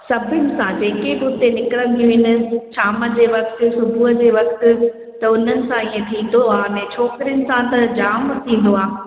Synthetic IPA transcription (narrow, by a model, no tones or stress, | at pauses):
sɐbʱɪnɪ̆sãd͡ʑeːkebʊt̪enɪkɪɾə̃nd̪ijũɦɪnɪ̆t͡ɕaːməd͡ʑeːʋɐk̚t̪ʊ̆sʊbʱuəd͡ʑeːʋɐk̚t̪ʊ̆ | t̪ɐʊn̤ənɪ̆sãiːẽt̪ʰĩːn̆d̪oaːnẽt͡ɕʰɔːkɪɾiənɪ̆sãt̪ɐd͡ʑaːmt̪ʰĩːn̆d̪oaː